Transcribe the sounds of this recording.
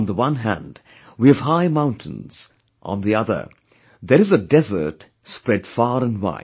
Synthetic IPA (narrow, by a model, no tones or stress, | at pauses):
nðəwʌ̃nɦæ̰̃nd | wiɨv̥haɪmãʊ̃ntʰə̃nz̥ | ʔə̰̃nðiʌðə̰˞ | ðəɾɨzədɛzə̰˞t | spɹɛdfɑːɾə̃nwa̰ɪ̃